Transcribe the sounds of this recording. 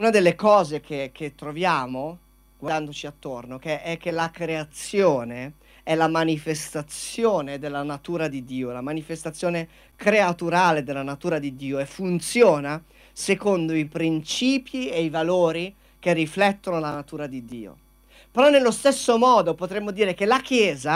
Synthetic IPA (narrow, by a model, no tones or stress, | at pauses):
unad̪elːekɔːzek̟ʰek̟ʰːet̪ːɾovjaːmo | ɡ̥wad̪and̪ot͡ʃiat̪ːornokeʔɛk̟ːelakɾeat̪sːjoːne | ɛlamanifest̪at̪sjoːned̪elːanat̪uːɾad̪id̪ːiːolamanifest̪at̪sjoːne | kɾeat̪uɾaːled̪elːanat̪uːɾad̪id̪ːiːoefːunt̪sjɔːna | sekond̪oipɾint͡ʃiːpieivaloːɾi | k̟erːiflɛt̪ːonolanat̪uːɾad̪id̪ːiːo̰ | peɾɔnːelːost̪esːomɔːd̪opot̪ɾemːod̪iːɾek̟elak̟jɛːza